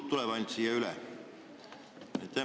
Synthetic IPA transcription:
t̪t̪uleʋɑint̪siːjɑylæ | jɑt̪æ

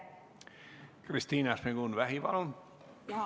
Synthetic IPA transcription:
krist̪iːnɑsmeɡunʋæhiʋɑ̰lon

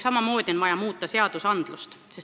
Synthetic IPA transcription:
sɑmɑmo̞ːd̪̥ʲio̞nvɑjɑmuːt̪ːˑɑse̞ɑd̪̥usɑnd̪̥lust̪ses

